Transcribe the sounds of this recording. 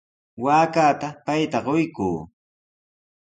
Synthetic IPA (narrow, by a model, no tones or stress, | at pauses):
waːkaːt̪apajt̪aɢojkṵː